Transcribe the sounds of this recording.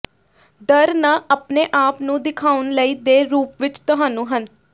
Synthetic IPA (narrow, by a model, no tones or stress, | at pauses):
d̪əɾnaːʔəpneːʔaːpnũːd̪ɪkʰaːʊnləiːd̪eːɾuːpʋɪt͡ʃt̪ʊɦaːnũːɦən